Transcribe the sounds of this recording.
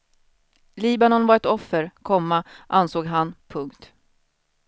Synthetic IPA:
liːbanɔnvaɾɛt̪ɔfːəɾkʰɔmːaʔansoːɡɦanpʰɵŋkt̪

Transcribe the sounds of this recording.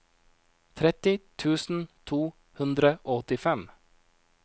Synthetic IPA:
t̪ʰɾɛt̪ɪt̪ʰʉːsn̩t̪ʰuː | hʉnd̪ɾəʔoːɔt̪ɪfɛm

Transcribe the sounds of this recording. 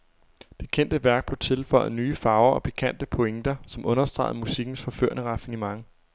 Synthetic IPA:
d̥e̝kʰen̰d̥əʋæɐɡ̥̚b̥le̝t͡sʰe̝lfɒ̽ɪ̰nyːfɑ̈ʊɐɒ̽pʰe̝̥kʰæn̰d̥əpʰoeŋd̥ɐsɒ̽mʔɔ̽nɐsd̥ʁɑ̈ɪð̩ˠmusiɡ̥n̩sfɒ̽fø̰ɐ̰nəʁɑ̈finimɑ̈ŋ

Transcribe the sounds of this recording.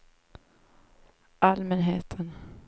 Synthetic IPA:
ʔalmɛnɦeːt̪ʰən

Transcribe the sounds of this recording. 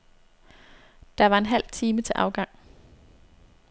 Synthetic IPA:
d̥ɑ̈ʋɑ̈e̝nɦæl̰t͡sʰiːmət͡sʰe̝ʔɑ̈ʊɡ̥ɑ̈ŋ̰

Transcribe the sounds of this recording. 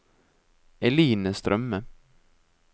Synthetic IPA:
ɛliːnəst̪ɾʔœmːə

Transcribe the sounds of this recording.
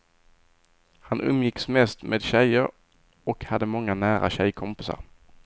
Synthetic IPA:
hanʔɵmːjɪksmɛst̪mʔeːd̪ɕɛjːəɾ | ɔkhad̪ːəmɔŋːanæːɾa̰ɕɛjkʰɔmpɪsa̰ɾ

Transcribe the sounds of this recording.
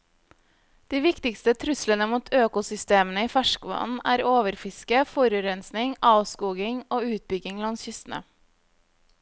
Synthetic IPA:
d̪̥iːʋɪkt̪ɪkst̪ət̪ʰɾʉslənəmuːt̪ʰøːkʊsʏst̪eːmən̩əiːfæʃkʋɑ̰ːn̩ʔæ̰ːɾoːʋəɾfɪskəfɔɾʉɾɛnsnɪŋɑːʋskuːɡɪŋoːʉːt̪̚bʏɡɪŋlɑnsçʏst̪n̩ə̰

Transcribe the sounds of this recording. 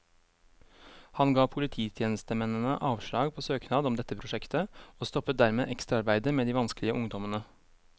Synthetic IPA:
hɑnɡɑːpʰʊlɪt̪ʰiːt̪ʰjeːnəst̪əmɛnːənəʔɑːʋʂɭɑːɡpʰoːsøːknɑːd̪ɔmd̪ɛt̪ːəpʰɾʊʂɛkt̪əoːst̪ɔpːət̪̚d̪æɾmḛːʔɛkst̪ɾɑɾbæɪd̪əmeːd̪iːʋɑnsklɪəʔʊŋd̪ɔmənə

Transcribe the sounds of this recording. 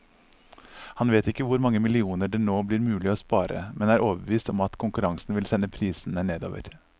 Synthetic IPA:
hɑnʋeːt̪ɪkːəʋʊɾmɑŋːəmɪlɪuːnəɖɛnoːblɪːɾmʉːlɪoːspɑːɾə̰mɛnæːɾʔoːʋəbəʋiːst̪ɔmɑt̪kʰʊŋkʉɾɑŋsn̩ʋɪlsɛnːəpʰɾiːsn̩əneːd̪o̰ːʋə̰ɾ

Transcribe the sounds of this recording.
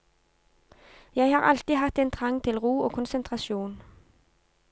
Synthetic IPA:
jæɪhɑːʁɑlt̪iːhɑt̪eːnt̪ʰʁɑŋt̪ʰɪlʁuːoːkʰʊnsənt̪ʰʁɑʃuːn

